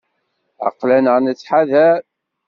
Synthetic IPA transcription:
a̰qlænəʁnət͡sːħaðæɾ

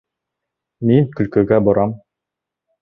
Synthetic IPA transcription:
miŋkɵ̆lkɵ̆ɡæboɾɑm

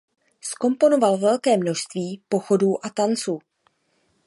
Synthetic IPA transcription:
sko̞mpo̞no̞valvɛlkɛːmno̞ʃst̪viːpo̞xo̞duːʔat̪ant͡suː

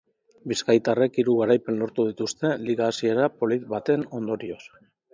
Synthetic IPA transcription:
biskajt̪are̞kiɾuɣ̞aɾajpe̞nlo̞ɾt̪uð̞it̪ust̪e̞liɣaːsie̞ɾapo̞lit̪βat̪e̞no̞nd̪o̞ɾio̞s

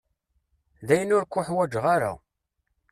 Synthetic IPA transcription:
ðæjənʊɾkʷːʊħwæd͡ʒʁaɾa̰

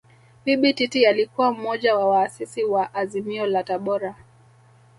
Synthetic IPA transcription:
piɓititialikuwam̩mɔʄawawaːsisiwaʔːzimiɔlataɓɔɾa

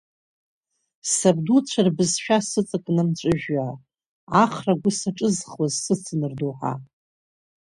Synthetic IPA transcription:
sabdut͡ɕʷʰarbɨzʃᶣasɨt͡sʼɨkʼnɨmt͡ʃʷʼɨʒᶣːa | aχraɡʷʊsaʈ͡ʂʼɨzχwazsɨt͡sʰɨnɨrduħa̰

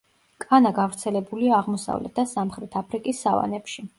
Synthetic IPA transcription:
kʼanaɡavɾt̪sʰɛlɛbuliaːʁmɔsa̰vlɛ̰t̪̚ʰd̪̥asamχɾɛt̪ʰapʰɾikʼisːava̰nɛpʃi

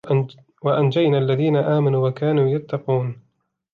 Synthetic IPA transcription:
waʔand͡ʒajnaːʔalːaðiːnaʔaːmanuːwakaːnuːjat̪ːɑquːn

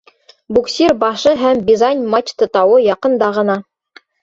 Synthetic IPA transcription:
buksʲirbɑʃɤɦæmbʲizanʲmat͡ɕt̪ɤ̆t̪ɑwɤjɑqɤ̆nd̪ɑʁɤ̆nɑ

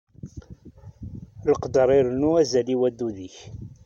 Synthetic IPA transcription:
ləqd̪əɾˤiɾnuæzæliwæd̪ːuðiç

